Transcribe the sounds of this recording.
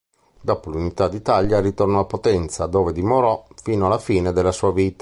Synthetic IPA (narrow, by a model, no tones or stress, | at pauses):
d̪ɔːpolunit̪ad̪it̪aljaɾit̪ornɔapot̪ɛnt̪sad̪oːved̪imoɾɔfiːnoalːafiːned̪elːasuːaviːt̪ḁ